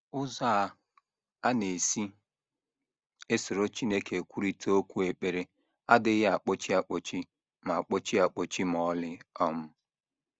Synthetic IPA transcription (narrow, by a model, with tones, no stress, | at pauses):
ʊ˦za˦˨ | a˦ne˨si˦ | e˦sʊ˨ɾo˦t͡ʃi˦ne˦ke˨kʷu˦ɾi˦tʰo˦kʷu˦e˨k͡pe˨ɾe˦ | a˦dɪ˦ɣɪ˦a˨k͡po˦t͡ʃi˦a˨k͡po˨t͡ʃi˦ | ma˨k͡po˦t͡ʃi˦a˨k͡po˨t͡ʃi˦m˨ɔ˦lɪ˦ɔ˦m̩˦